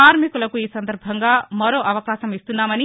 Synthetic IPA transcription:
aːɾmikulɐkuiːsɐnd̪ɐɾbʱɐŋɡaːmɐɾo̞ːʔɐʋɐkaːʃɐmist̪unːaːmɐni

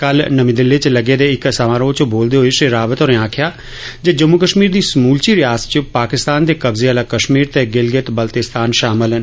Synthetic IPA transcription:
kəlnəmĩːd̪ɪlːeːt͡ʃləɡeːd̪eːɪksəʋãːɾoːt͡ʃboːld̪eːɦoeʃeɾaːʋət̪oːɾẽːãːkʰɪjaː | d͡ʒed͡ʒəmːukəʃmiːɾd̪iːsmuːlt͡ʃiːɾɪjaːst͡ʃəpaːkɪst̪aːnd̪eːkəbzeaːlaːkəʃmiːɾt̪eːɡɪlɡɪt̪bəlt̪ɪst̪ʰaːnʃaːmɪl

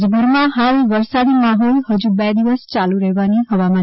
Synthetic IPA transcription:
d͡ʒbʱuɾmãɦalʋəɾsad̪imaɦolhəd͡ʒubɛd̪iʋəst͡ʃaluɾəɦeʋaniɦəʋama

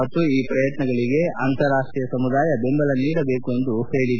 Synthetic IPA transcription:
ɐt̪ːuiːpɾɐjɐt̪nɐɡɐɭiɡe̞ʔaːnt̪ɐɾaːʂʈɾiːjɐsɐmud̪aːjɐbembɐlɐniːɽɐbe̞ːkuend̪uhe̞ːɭid̪

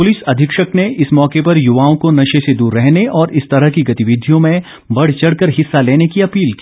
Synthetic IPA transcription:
pʊlɪsɐd̪ʱɪkʃəkneʔɪsmɔːkepɐɾjʊʋaːõkonɐʃesed̪uːɾːɛɦneʔɔːɾʔɪst̪ɐɾəɦkiɡɐt̪ɪʋɪd̪ʱijõmẽ | bɐɽ̤t͡ʃɐɽ̤kəɾɦɪsːaleːnekiɐpiːlkiː

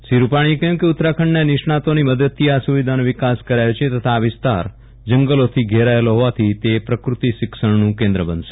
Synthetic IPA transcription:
ʃiɾupaɽ̃iekɛmkeʊt̪ɾakʰəɳnenɪʃɳ̃ãt̪oniməd̪ət̪ʰːiasuʋid̪ʱanoʋɪkaskəɾajot͡ʃʰet̪ət̪ʰaːʋɪst̪a̰ɾ | d͡ʒəŋɡəlot̪ʰiɡʱeɾaeloɦoʋat̪ʰit̪epɾəkɾut̪iʃɪkʃəɳnũkẽnd̪ɾəbənd̪ʃe̥

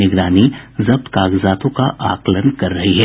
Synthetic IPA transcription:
ɪɡɾaːnizɐb̚t̪kaːɡzaːt̪õkaʔaːklənkɐɾːɐɦiɦɛ

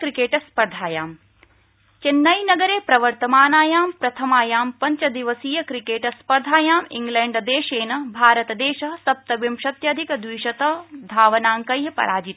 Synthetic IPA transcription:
kɾikeːʈɐspɐɾd̪ʱaːjaːm | t͡ʃenːɐjnɐɡɐɾeːpɾɐʋɐɾt̪ɐmaːnaːjaːmpɾɐt̪ʰɐmaːjaːmpɐɲt͡ʃɐd̪iʋɐsiːjɐkɾikeːʈɐspɐɾd̪ʱaːjaːmḭŋɡleːɳɖɐd̪eːʃeːnɐbʱaːɾɐt̪ɐd̪eːʃɐɦɐsɐp̚t̪ɐʋimʃɐt̪jɐːd̪ʱikɐd̪ʋiːʃɐt̪ɐd̪ʱaːʋɐnaːŋkɐjɦɐpɐ̰ɾaːd͡ʒit̪

